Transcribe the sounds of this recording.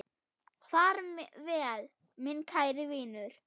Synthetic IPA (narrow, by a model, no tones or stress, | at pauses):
θaɾvɛːl | mɪnkʰaːjɾɪviːnʏɾ̥